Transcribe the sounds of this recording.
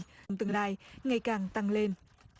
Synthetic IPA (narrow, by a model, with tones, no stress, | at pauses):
wŋ͡mt̪ɨ˨˧˩laː˧jŋa˨˩jkaː˨˩ŋt̪a˧ŋle˧n